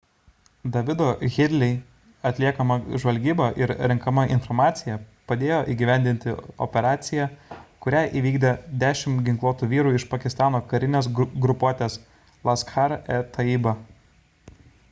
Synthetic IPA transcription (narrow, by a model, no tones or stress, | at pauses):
d̪ɐʋʲɪd̪oːɣʲɪd̪ʲlʲɛɪ | ɐt̪ʲlʲiɛkɐmɐʒʋɐlʲɡʲiːbɐʔɪɾɾʲɪŋkɐmɐʔɪnfɔɾmɑːt̪sʲɪjɛpɐd̪ʲeːjoːʔiːɡʲɪʋʲæˑnʲd̪ʲɪnʲt̪ʲɪɔ̰pʲɛɾɑːt̪sʲɪjækʊɾʲæːʔiːʋʲiːɡd̪ʲɛd̪ʲæːʃʲɪmɡʲɪŋklˠuːt̪uːʋʲiːɾuːɪʃpɐkʲɪst̪ɑːnoːkɐɾʲɪnʲeːs̬ɡɾʊpoːt̪ʲeːs | lˠɐskxɑɾɛt̪ʰɐiːbɐ